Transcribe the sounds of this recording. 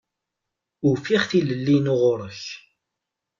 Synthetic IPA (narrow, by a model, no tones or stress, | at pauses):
ʊfiχθiləlːinoʁʊɾˤəç